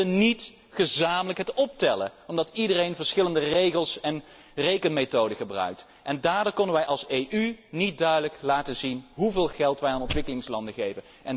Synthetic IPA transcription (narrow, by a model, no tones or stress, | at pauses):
ənit | χəzaːmələkɦətɔp̚tɛlə̰ɔmdɑtidərejnvəɹsχɪləndərejχəlˠsɛn | rejkənmetowdəχəbrœ̰ɥk̚t | ʔɛndaːɹdʊːɹkɔnənʋɛjʔɑlˠsejʔynit̚dœɥdələklaːtəzinɦuvɪːlˠχɛlˠtʋɛjaːnɔ̃ntʋɪkəlɪŋslɑndəχejvən | ʔɛn